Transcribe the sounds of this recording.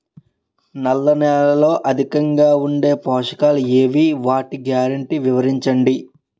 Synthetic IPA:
nɐlːɐnɛːlɐlo̞ːʔɐd̪ʱikɐŋɡaːuɳɖe̞ːpɔːʂɐ̥kaːlueːʋiʋaːʈiɡjaːɾɐɳʈiʋiʋɐɾiɲt͡ʃɐɳɖi

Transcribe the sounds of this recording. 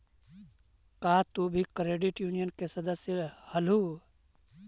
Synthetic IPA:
kaːt̪ubʱikɾeːɖɪʈjuːnijənkesəd̪əsjəhəlu

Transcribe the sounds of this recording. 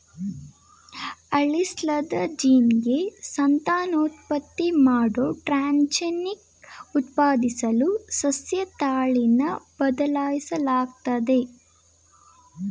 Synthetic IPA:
ɐɭislɐd̪ɐd͡ʒiːnɡe̞sɐnt̪aːnoːt̪̚pɐt̪ːimaːɽoʈɾaːnt͡ʃenik | ut̪̚paːd̪isɐlusɐsjɐt̪aːɭinɐb̥ɐd̪ɐlaːjisɐlaːɡt̪ɐd̪e̞

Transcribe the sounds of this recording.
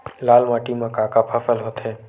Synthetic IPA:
laːlmaːʈimɐkakapʰɐfəlɦoːt̪ɦɛ̃ː

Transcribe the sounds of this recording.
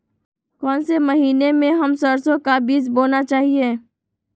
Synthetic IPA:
kɔːnsemɐɦiːnemẽɦɐmsəɾsõkabiːzboːnat͡ʃaːɦieː

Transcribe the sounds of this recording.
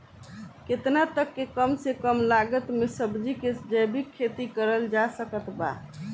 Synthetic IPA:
ket̪nat̪əkːekəmsekəmlaɡət̪mesəbd͡ʒiked͡ʒəjbikʰːet̪ikəɾəld͡ʒasəkət̪ba̰

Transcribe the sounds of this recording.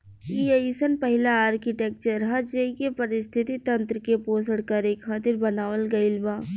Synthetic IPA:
iesənpɐɦɪlaaːɾkiʈeːk̚t͡ʃəɾɦɐd͡ʒeːikepɐɾɪst̪ʰɪt̪it̪ɐ̃nt̪ɾəkepoːsəɽkəɾeːkʰːaːt̪ɪɾbɐnaːʋəlɡɐɪlbaː

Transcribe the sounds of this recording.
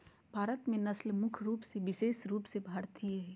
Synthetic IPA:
bʱaːɾət̪mẽnɐslmʊkʰɾuːpseʋɪʃeːʃɾuːpsebʱaɾt̪ʰieɦɛ

